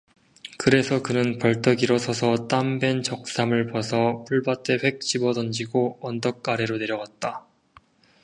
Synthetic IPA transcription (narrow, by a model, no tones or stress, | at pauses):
kɯɾe̞sʰʌkɯnɯnpʌɭt͈ʰʌɡiɾʌsʰʌsʰʌt͈ambe̞nt͡ɕʌk̚s͈amɯɭpʌsʰʌp͈uɭbat͈e̞ɸwe̞k̚t͡ɕ͈ibʌdʌnd͡ʑiɡoʌndʌk̚k͈aɾeɾone̞ɾjʌɡat̚t͈a